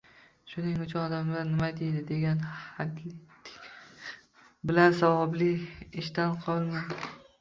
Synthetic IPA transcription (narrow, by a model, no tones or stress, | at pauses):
ʃʊnɪŋʊt͡ʃʰʊnɒd̪amlaɾnɪmajt̪ʰijd̪ɪd̪e̞ɡʲanhad̪lɪ | bɪlansɒwɒblɪɪʃt̪anqʰɒlˠman